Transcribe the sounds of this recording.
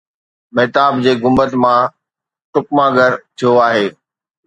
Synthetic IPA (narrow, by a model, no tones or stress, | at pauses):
mɛːt̪aːbd͡ʑeːɡʊ̃mbət̪mã | ʈʊkmãɡəɾt̪ʰijoaːɦeː